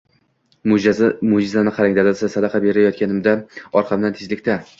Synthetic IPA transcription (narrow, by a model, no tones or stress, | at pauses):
mʊmʊd͡ʒɪzanɪqʰɑɾaŋd̪ad̪alsasad̪aqʰɑbe̞ɾajɒt̪̚kʲanɪmd̪aɒɾqʰɑmnnat̪ʰɪd͡ʒlɪkʲt̪a